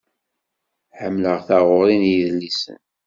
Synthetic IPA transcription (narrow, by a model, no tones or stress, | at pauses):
ħəmːləʁθaʁoɾinjiðlːisə̰n